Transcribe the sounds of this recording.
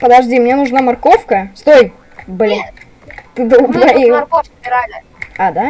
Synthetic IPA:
pəd̪ɐʐdʲimnʲenʊʐnamɐrkofkəst̪oj | bɨlʲ | t̪ɨd̪obɾɐiɐkofʲ | ɾa | ad̪a

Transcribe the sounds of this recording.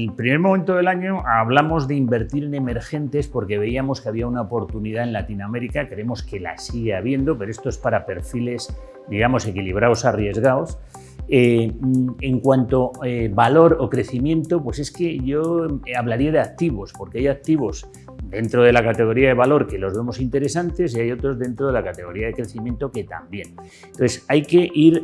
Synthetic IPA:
pɾime̞ɾmoment̪o̞ð̞e̞laɲo̞aβlamo̞zðe̞imbe̞ɾt̪iɾe̞ne̞me̞ɾxe̞nt̪e̞spo̞ɾke̞βe̞iamo̞skeaβ̞iaunaopo̞ɾt̪uniðae̞nlat̪iname̞ɾikakɾeemo̞ske̞la̰siɣ̞eaβ̞je̞nd̪o̞peɾoest̪o̞e̞spaɾape̞ɾfile̞s | d̪iɣamo̞se̞kiliβ̞ɾaosarje̞zɣaos | e | eŋkwant̪o̞eβalo̞ɾokɾe̞θimjẽ̞nt̪o̞pwe̞se̞ske̞ʝo̞aβ̞laɾiaðeak̚t̪iβo̞spo̞ɾkeajak̚t̪iβo̞s | d̪e̞nt̪ɾo̞ð̞e̞lakat̪e̞ɣ̞o̞ɾiaðe̞βalo̞ɾke̞lo̞zβe̞mo̞sint̪e̞ɾe̞sant̪e̞s̬iajo̞t̪ɾo̞zðe̞nt̪ɾo̞ð̞e̞lakat̪e̞ɣo̞ɾiaðe̞kɾe̞θimjẽ̞nt̪o̞ke̞t̪a̰mbje̞n | nt̪oθesajke̞ʔiɾ

